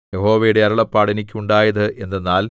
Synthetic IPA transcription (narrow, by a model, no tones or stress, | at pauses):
jeho̞ːʋɐjiɽe̞ɐɾɐɭɐpːaːɽenikʲːuɳɖaːjɐðɨe̞nːenːaːl